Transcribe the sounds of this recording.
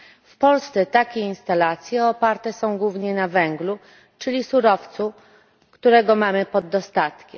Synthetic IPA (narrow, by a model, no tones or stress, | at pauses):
fpɔlst̪sɛt̪akʲeinst̪alat̪sʲjɛɔpaɾt̪ɛsɔ̃w̃ɡwuvɲɛnavɛŋɡlu | t͡ʂɘlʲisuɾɔft̪su | kt̪uɾɛɡɔmamɘpɔd̪ːɔst̪at̪kʲɛm